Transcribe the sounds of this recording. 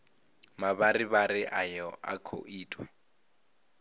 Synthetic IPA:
maβaɾiβaɾɪʔajɔʔa̰kʰo̰ʔiːtʰʼwa

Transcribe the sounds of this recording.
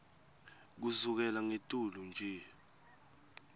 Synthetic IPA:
k̬uzuk̬ɛlaŋetʼulund͡ʒʱɛ

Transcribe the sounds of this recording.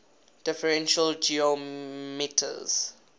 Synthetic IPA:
d̥ɪfəɹɛ̃nʃəld͡ʒiomitʰə̰z̥

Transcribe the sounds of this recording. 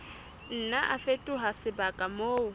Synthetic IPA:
n̩naʔafetʼʊɦasɪbakʼamoːʊ

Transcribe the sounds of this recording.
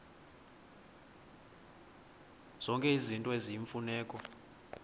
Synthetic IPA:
z̥ɔŋkʼɛizintʼɔeziiɱfunɛːkʼɔ

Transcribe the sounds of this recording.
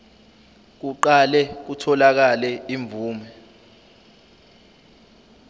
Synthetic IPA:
k̬uǃalɛk̬utʰɔlak̬alɛiɱb̪vuːmɛ

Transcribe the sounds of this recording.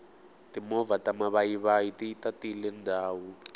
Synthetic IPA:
timɔvatamaβajiβajitiitatilɛndʱaːwu

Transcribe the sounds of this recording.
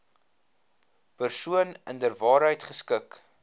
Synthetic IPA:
pərsuənəndərvɑːɾɦəjtχəskək

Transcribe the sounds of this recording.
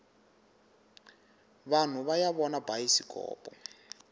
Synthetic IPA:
βan̤uβajaβɔnabajisikʼɔ̰ːpʼɔ̰

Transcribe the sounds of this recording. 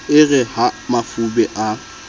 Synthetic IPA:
ɪɣɛhamafubɛʔa

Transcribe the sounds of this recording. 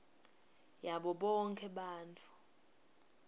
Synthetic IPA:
jaɓɔɓɔŋkʰʼɛɓaːntʰu̥

